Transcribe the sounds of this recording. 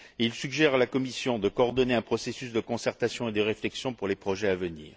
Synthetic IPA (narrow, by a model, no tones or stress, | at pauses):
ilsyɡʒɛʁalakɔmisjɔ̃d̪əkɔːʁd̪ɔneɛ̃pχɔsesysd̪əkɔ̃sɛʁt̪asjɔ̃ed̪əʁeflɛksjɔ̃puʁlepχɔʒɛavənḭːʁ